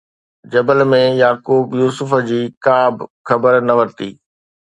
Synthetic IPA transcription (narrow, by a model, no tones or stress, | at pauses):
d͡ʑɐbəlmẽjaːkuːbjuːsʊfəd͡ʑiːkaːbxɐbəɾnɐʋɐɾt̪iː